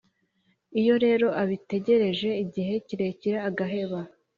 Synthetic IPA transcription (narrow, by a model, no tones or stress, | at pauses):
ijo̞ɾe̞ːɾo̞ʔaβite̞ɟe̞ɾe̞ʒe̞iɟiɦe̞ciɾe̞ciɾaːɡaɦe̞βa